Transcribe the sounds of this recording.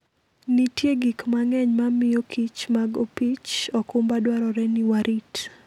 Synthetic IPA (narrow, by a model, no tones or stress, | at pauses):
nitjeɡikmaŋɛɲmamɪjokʰit͡ʃmaɡopit͡ʃɔkʊmbadwaɾɔɾɛnɪwaɾʔit